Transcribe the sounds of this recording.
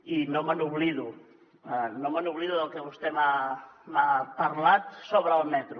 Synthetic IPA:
inomənuβliðu | ənomənuβliðuðəlˠkəβust̪emamapəɾlat̪soβɾəːlˠmɛt̪ɾu

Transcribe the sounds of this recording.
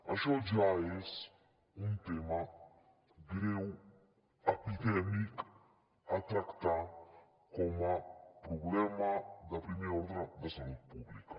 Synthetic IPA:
ɐʃɔd͡ʒaes | unt̪ema | ɡɾew | ɐpid̪ɛmik | at̪ɾakt̪a | kɔmapɾublɛmad̪ɐpɾimiɔɾd̪ɾad̪ɐsɐlut̪̚publikɐ̥

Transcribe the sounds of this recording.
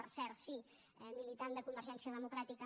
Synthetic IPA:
əɾsɛɾsi | ɛmilit̪and̪əkumbəɾʒɛnsiəðəmukɾat̪ikə

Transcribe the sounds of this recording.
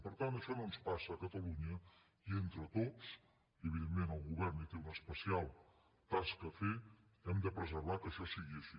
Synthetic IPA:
pəɾt̪ant̪əʃɔnonspasəːkət̪əluɲə | ient̪ɾət̪ot͡s | iəβiðemːenəlˠɣuβɛrnit̪eunəspəsialˠ | t̪askəfe | ɛmd̪əpɾəzəɾβakəʃɔsiɣiəʃi

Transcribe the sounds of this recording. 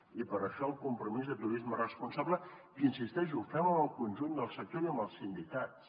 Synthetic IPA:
ipəɾəʃɔəlˠkumpɾumizðət̪uɾizmərəspunsaβləkinsist̪ɛʒufɛməməlˠkunʲʒund̪əlˠsək̚t̪oɾiəmbəlˠsind̪ikat̪s

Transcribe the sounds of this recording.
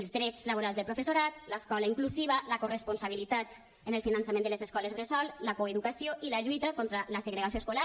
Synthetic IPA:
lzd̪ɾɛt͡slaβoɾalˠzðəlpɾofesoɾat̪ləskɔlaiŋkluziβaləkorespunsaβ̞ilit̪at̪ | ənəlˠfinansamend̪əlezeskɔlezɣɾesɔlləkoeðukasioʔilaʎujt̪akɔnt̪ɾaləseɣɾeɣasioeskola

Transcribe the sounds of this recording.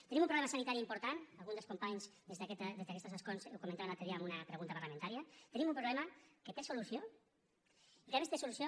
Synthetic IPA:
t̪enimũmpɾoβlɛemasanit̪aɾiimpuɾt̪analɣunzd̪əlskompaɲzd̪ezðket̪d̪ezðakɛst̪əsaskonsewkoumẽnt̪aβanat̪eðiamunɐpɾeɣunt̪ɐpaɾlamẽnt̪aɾiɐt̪enimumpɾoβlɛmɐket̪esolusio | ikaβest̪esulusjo

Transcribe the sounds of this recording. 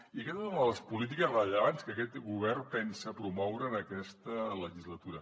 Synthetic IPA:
ikɛt̪sunðələspulit̪̬ikəzrəʎəβanskəkɛt̪ɡuβ̞ɛrpɛnsəːpɾumɔwɾəːnəkɛst̪ələʒizlət̪uɾə

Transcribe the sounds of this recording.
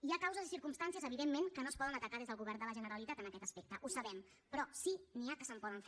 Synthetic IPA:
iakawzəzisiɾkumst̪ansiəzəβiðemːeŋkənoəspɔðənət̪əkaðezðəlˠɣuβɛrnd̪ələʒənəɾəlit̪at̪ənəkɛt̪əspek̚t̪əʔusəβɛm | pɾɔsiniakəsəmpɔðəɱf

